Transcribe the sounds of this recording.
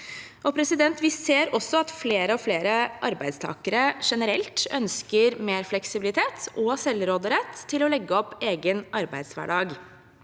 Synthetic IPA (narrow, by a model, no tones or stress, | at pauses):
ʔɔpʰɾɛsɪd̪ɛnt̪ʋɪseːɾɔsɔɑt̪fleːɾəɔfleːɾəʔɑɾbæɪd̪st̪ʰɑ̰ːkəɾəʂɛnəɾɛlt̪œnskəɾmeːɾflɛksɪbɪlɪt̪ʰeːt̪ʔɔsɛlɾoːd̪əɾɛt̪ʰːɪlɔlɛɡːəɔpːeːɡənɑɾbæ̰ɪd̪sʋæ̰ɖɑːɡ